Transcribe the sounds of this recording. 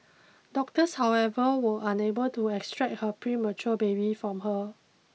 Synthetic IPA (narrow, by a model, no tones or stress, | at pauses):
dɔk̚təshawɛvəwəʔãnebəltuɛkstɹɛk̚t̚həpɹimət͡ʃuəbebifɹɔ̃mɦə